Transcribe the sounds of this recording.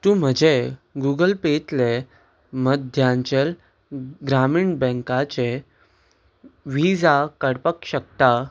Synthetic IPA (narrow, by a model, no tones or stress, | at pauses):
t̪ũːm̤əd͡ʑeɡuɡəlpet̪le | məd̪ʱjãɲt͡ɕel | ɡɾamiɳbɛ̃ŋkat͡ɕe | ʋid͡zakəɽpəkɕək̚t̪a